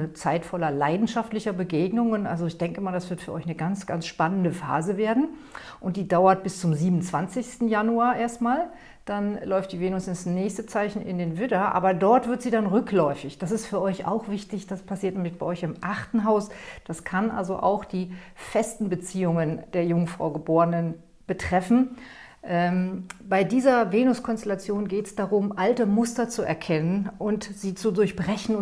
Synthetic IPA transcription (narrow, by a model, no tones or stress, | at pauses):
t͡saɪtfɔlɐlaɪdn̩ʃaftlɪçɐbəɡeːɡnʊŋənʔa̰lzoɪçd̥ɛŋkəɪmaːldasv̥ɪɐtfyːɐʔɔ̰ʏçnəɡant͡sɡ̥a̰nsʃpanəndəfa̰ːzəveːɐdn̩ʔʊntd̥iːdaʊɐt̚b̥ɪst͡sʊmziːbmnt͡sv̥ant͡sɪçstn̩januaːʔeːɐstmaːl | d̥anlɔʏftd̥iːveːnʊsɪnsnɛːçstət͡saɪçn̩ʔɪ̰ndeːnvɪdɐʔa̰ːbɐdɔɐtv̥ɪɐtz̥iːdanʁʏklɔʏfɪçd̥as̬ɪstfyːɐʔɔʏça̰ʊxv̥ɪçtɪçd̥aspʰasiːɐtnɛːmlɪçb̥aɪʔɔʏçɪmʔaχtn̩ɦaʊsd̥askʰanʔa̰lzo̰ʔa̰ʊxd̥iː | fɛstn̩bət͡siːʊŋənd̥eːɐjʊŋfʁ̥a̰ʊɡəboːʁənən | b̥ətʁ̥ɛfn̩ | ʔɛːmbaɪdiːzɐveːnʊskʰɔnstɛlat͡sjoːnɡeːtsd̥aʁʊmʔaltəmʊstɐt͡suɛ̰ɐkʰɛnənʔʊntz̥iːt͡sudʊɐçb̥ʁɛçn̩ʊ